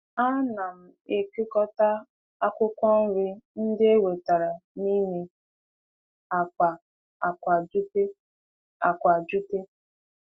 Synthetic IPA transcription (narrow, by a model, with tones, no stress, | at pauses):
a˦na˨m̩˨e˨ke˦kɔ˦ta˦ | a˦kʷʊ˦kʷɔ˦n̩˦ɾɪ˦n̩˦dɪ˦e˦we˨ta˨ɾa˨ni˦ne˦ | a˨kʷa˨ | a˨kʷa˨d͡ʒu˦te˦ | a̰˨kʷa˨d͡ʒu˦te˦